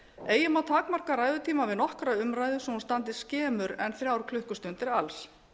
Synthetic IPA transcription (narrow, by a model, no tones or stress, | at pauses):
eːjɪmawt̪ʰaːkmar̥kaɾaːjðʏt̪ʰiːmavɪðnɔhkœɾaʏmɾajðʏsɔhunst̪ant̪̬ɪ̥scɛːmʏɾɛnθɾjaːwɾ̥kʰlʏhkʏst̪ʏnt̪ɪɾals